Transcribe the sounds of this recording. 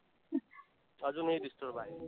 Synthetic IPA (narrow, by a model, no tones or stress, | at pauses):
ʌd͡zunejɾisʈorbʱaj